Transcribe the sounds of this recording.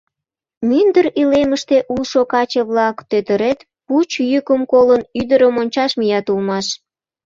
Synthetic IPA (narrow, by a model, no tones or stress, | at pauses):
mynd̪əɾileməʃt̪eʔulʃokɑt͡ɕəβlɑkt̪øt̪əɾet̪ | put͡ɕjykəmkolənyd̪əɾəmonʲt͡ɕɑʃmijɑt̪ulmɑʃ